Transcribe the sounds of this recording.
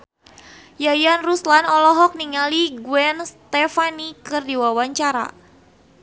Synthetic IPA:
jajanruslanɔlɔɦɔk̚niŋaliɡuɛnst̪ɛfanikɨrdiwawaɲt͡ʃaɾa̰

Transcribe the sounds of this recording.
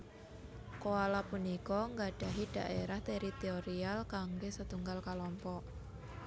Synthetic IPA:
koalapunikɔŋɡaɖ̥a̤ɦid̥a̤ʔeɾaht̪eɾit̪eoɾialkaŋɡesət̪uŋɡalkalɔmpɔʔ

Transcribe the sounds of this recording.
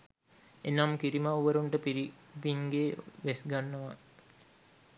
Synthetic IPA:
enamkiɾimauʋəɾuɳʈəpiɾi | biŋɡeːʋesɡanːəʋa

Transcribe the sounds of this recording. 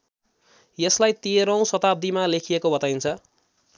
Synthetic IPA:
jeslajt̪iɾʌ̃w̃sʌt̪ab̚d̪imalekʰijekobʌt̪ajnt͡sʰʌ

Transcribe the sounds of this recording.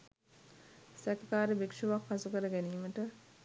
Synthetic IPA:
sɛkɐkaːɾibikʂuʋakfasukəɾəɡæniːməʈə

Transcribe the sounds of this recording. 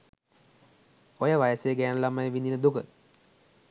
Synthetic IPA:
ojəʋajəsejəɡænəlamajʋind̪inəd̪ukə

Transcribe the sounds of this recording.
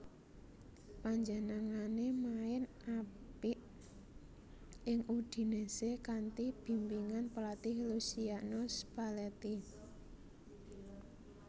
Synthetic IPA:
paɲd͡ʒənaŋanemaɪn | apiʔ | ɪŋud̪̥i̤nesekant̪ib̥i̤mpiŋanpəlat̪ihlusianosb̥a̤lɛt̪i

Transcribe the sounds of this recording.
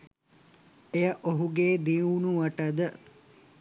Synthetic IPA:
ejəʔoɦuɡeːd̪iunuʋɐʈəd̪ə

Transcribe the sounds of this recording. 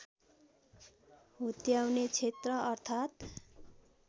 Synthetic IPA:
ɦut̪jawnet͡sʰet̪rʌʌrt̪ʰat̪

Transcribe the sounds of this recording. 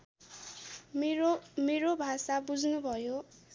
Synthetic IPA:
meɾobʱasabud͡znubʱʌjo

